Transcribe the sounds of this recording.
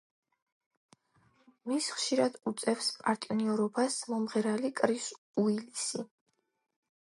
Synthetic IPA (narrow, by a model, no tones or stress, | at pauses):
misχʃiɾad̪ut̪sʼɛfspʼaɾt̪ʼiniɔɾɔbasmɔmʁɛɾalikʼɾis | uilisi